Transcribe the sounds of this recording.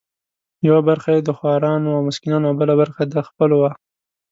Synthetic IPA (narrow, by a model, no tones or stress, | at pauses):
jawabaɾxajed̪əxɑɾɑnoawmʊskɪnɑnoabəlabaɾxad̪əxpəlowa